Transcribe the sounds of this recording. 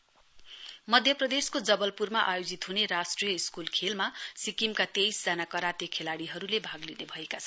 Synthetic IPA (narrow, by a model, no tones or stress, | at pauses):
mʌd̪ʱjʌprʌd̪eskod͡zʌbʌlpurmaʔajod͡zit̪ɦunerasʈrijʌiskulkʰelmasikimkat̪ejsd͡zanakʌɾat̪jʌkʰelaɽiɦʌɾulebʱaɡlinebʱʌekat͡sʰʌn